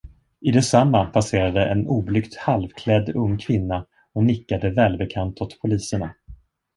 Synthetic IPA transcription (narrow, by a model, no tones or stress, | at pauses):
ɪd̪ɛsamːapʰaseːɾad̪əʔɛnuːblʏkt̪halvkʰlɛd̪ːɵŋːkʰvɪnːa | ɔnɪkːad̪əvɛːlbɛkʰant̪ɔt̪pʰʊliːsəɳa